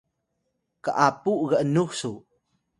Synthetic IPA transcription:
kaʔapuʔɣəʔnuksu

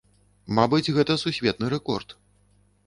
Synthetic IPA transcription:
mabɨd͡zʲɣɛt̪ɐsusʲvʲɛt̪̚nɨɾɛkɔrt̪

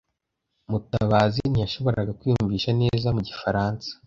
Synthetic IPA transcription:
mutaβaːzinijaʃo̞βo̞ɾaɡakwiːjuɱviːʃane̞ːzamuɟifaɾaːnsḁ

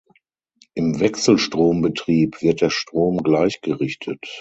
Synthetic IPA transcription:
ʔɪmvɛksl̩ʃtʁ̥oːmbətʁ̥iːpv̥ɪɐt̚d̥eːɐʃtʁ̥oːmɡlaɪçɡ̥əʁɪçtʰət

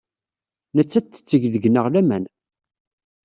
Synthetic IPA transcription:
nət͡sːæt͡s̪ːə̥t͡sːəʝðəɡnəʁlæmæn

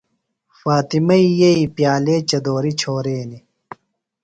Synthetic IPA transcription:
faːt̪imɐijɐipjaːleːt͡ɕɐd̪oːɾit͡ɕʰoːɾeːni

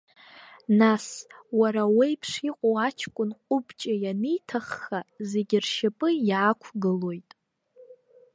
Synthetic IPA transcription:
naswaɾawejpʰʂiqʷʼowat͡ʃʰkʷʼʊnqʷʼʊbt͡ʃʼajanijtʰaχːaze̞ɡʲɪrʃapʼɨjakʷʰɡɨlo̞jtʼ

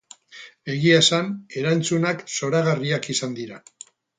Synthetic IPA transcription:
e̞ɣiasane̞ɾant͡sunakso̞ɾaɣariakisand̪iɾa

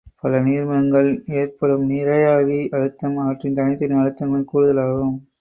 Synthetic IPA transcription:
pɐlɐniːɾmɐɐŋɡɐɭeːrpɐɽɯmnɪɾɐjaːʋiʔɐɻɯt̪ːɐmɐʋɐʈrɪnt̪ɐnɪt̪ːɐnɪɐɻɯt̪ːɐŋɡɐɭkuːɻɯðɐlaːɣɯm

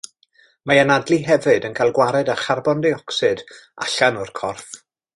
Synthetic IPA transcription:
majanadlˠiɦɛvɨdənkʰajlˠɡwaɾɛdaχarbɔndeɔksɨda̰ɬanʊrkʰɔrf

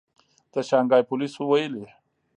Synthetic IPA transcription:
d̪̥əʃɑŋɡɑːjpʊlisowajəli

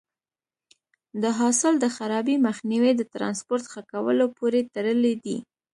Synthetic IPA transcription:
d̪əɦɑsɪld̪əxaɾɑbiməxniwid̪ət̪ɾɑ̰nspoɾt̪xakawə̰lopoɾet̪aɾəled̪ḭ

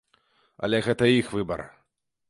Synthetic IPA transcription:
ɐ̰lʲɛɣɛt̪ɐjixvɨbɐ̰r

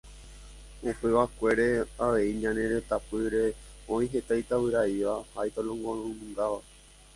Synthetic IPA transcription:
upe̞ʋakʷe̞ɾe̞aʋe̞iɲãnẽ̞ɾe̞t̪apɨɾe̞õĩɦe̞t̪ajt̪aβɨɾaiʋahajt̪olõŋɡõɨ̃mũŋɡaʋa

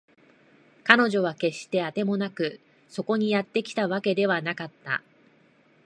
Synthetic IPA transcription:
kano̞ʑo̞βake̞ɕt̪e̞at̪e̞mo̞nakɯ̟ | so̞ko̞ɲ̟ijat̪ːe̞kʲi̥t̪aβake̞d̪e̞βanakat̪ːa̰

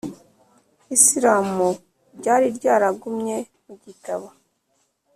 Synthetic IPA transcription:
isiɾaːmu | ɟaːɾiɾɟaːɾaɡumɲe̞ | muɟitaβo

